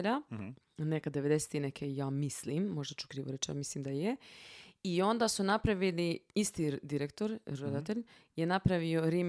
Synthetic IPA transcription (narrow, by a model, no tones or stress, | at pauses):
ʎa | nekad̪ːeʋe̞d̪ese̥t̪inekʰejaːmislimːo̞ʒd̪at͡ʃu̥kɾiːʋoɾet͡ʃja̰mislimd̪aje | io̞nd̪asunapɾaʋiliist̪id̪iɾekt̪o̞ɾɾod̪at̪eʎ | jenapɾaʋioɾim